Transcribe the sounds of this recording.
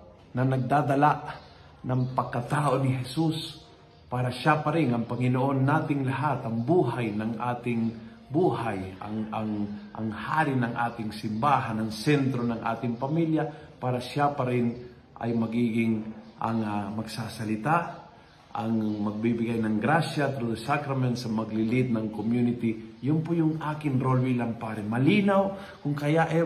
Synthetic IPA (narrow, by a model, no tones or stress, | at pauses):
nɐnɐɡ̚d̪aːd̪ɐlaʔ | nɐŋpɐɡkːɐt̪aːʔo̞nɪɦɛsus | paːɾɐʃapɐɾɪŋɐŋpɐŋɪnoʔo̞nːaːt̪ɪŋlɐɦat̪ɐŋbuːɦajnɐŋʔaːt̪ɪŋ | buːɦajɐ̰ŋɐŋʔɐ̰ŋhaːɾɪnɐŋʔa̰ːt̪ɪŋsɪmbaːɦanɐŋsɛnt̪ɾo̞nɐŋʔa̰ːt̪ɪŋpɐmiljapaːɾɐʃapɐɾɪn | ʔɐ̰jmɐɡiːɡɪŋʔɐŋamɐɡsasɐlɪt̪a | ʔɐŋmɐɡ̚bibɪɡajnɐŋɡɾaʃat̪ɾʊd̪ɐsakɾɐmɛnt̪sɐmɐɡlɪlɪt̪̚nɐŋkomjunɪt̪ɪjʊnpʊjʊŋaːkɪnɾolwilɐmpaːɾɛmɐliːnaw | kʊŋkɐjaʔɛ